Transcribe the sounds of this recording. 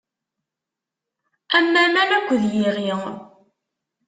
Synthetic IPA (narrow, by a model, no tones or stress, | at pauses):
æmːæmænækʷːðjiʁi